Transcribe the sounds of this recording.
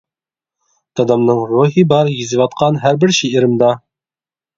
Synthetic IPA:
t̪ɑd̪ɑmnɤɴɾuhibɑɾjĭzivɑt̪qɑnɦæɾbɘɾɕiiɾɘ̆md̪ɑ

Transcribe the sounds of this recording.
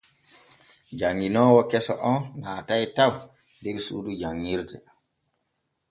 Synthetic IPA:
d͡ʒaŋːinɔwɔkɛsɔ̰ʔɔnnaːtajtaw | deɡisṵːdud͡ʒaŋːiɾtɛ

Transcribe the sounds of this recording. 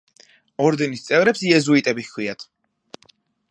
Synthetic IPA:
ɔɾd̪ɛnist̪sʼɛvɾɛpsiɛzuit̪ʼɛbikʰwiat̪ʰ

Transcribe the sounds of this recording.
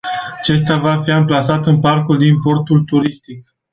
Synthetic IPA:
at͡ʃe̞st̪avafiɨmplasat̪ɨnparkuld̪impo̞rt̪ult̪uɾist̪ik̚

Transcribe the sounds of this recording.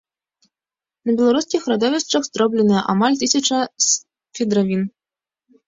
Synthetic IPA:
nɐbʲɛlˠaɾuskʲixrɾad̪ɔvʲɛst͡ʂɐɣzd̪ɾɔblʲɛnɨjɛʔamalʲt̪ɨsʲɐt͡ʂɐ | fʲɛd̪ɾavʲin

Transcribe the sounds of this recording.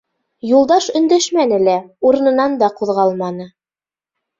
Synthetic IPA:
julˠd̪ɑʃɵ̆nd̪æʃmænɘ̆læuɾɤ̆nɤ̆nɑnd̪ɑquðʁɑlˠmɑnɤ

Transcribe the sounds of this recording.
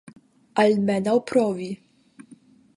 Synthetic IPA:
almɛnawpɾɔvi

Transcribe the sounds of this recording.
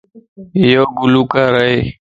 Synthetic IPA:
ɪjoːɡʊluːkaːɾəeː

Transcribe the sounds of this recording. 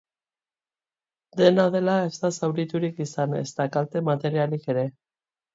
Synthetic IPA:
d̪e̞naðe̞lae̞zt̪asawɾit̪uɾikisane̞̰st̪akalt̪e̞mat̪e̞ɾialike̞ɾe̞

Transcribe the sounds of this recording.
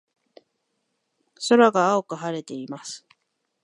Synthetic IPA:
so̞ɾaɡaːokɯ̟ɦaɾe̞t̪e̞imasɨ̥

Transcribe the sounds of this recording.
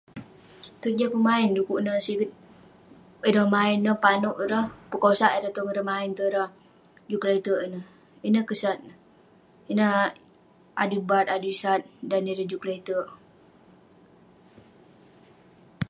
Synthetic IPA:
t̪ut̪̚d͡ʒəpəmaɪndukuʔnəsiɡit̪̚ | iɾəmaɪnːəpanuʔɾəhpəkosaʔiɾət̪uŋɾəmaɪnt̪uɾəh | d͡ʒuklet̪əʔinə | inəkəsat̪̚ə | inə | a̰dubat̪adusat̪̚daniɾəd͡ʒukleit̪əʔ

